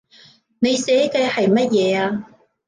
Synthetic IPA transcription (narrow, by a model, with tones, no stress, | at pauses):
ne˨˧jsɛː˨˥kɛː˧hɐ˨jmɐ˥t̚jɛː˨˧aː˧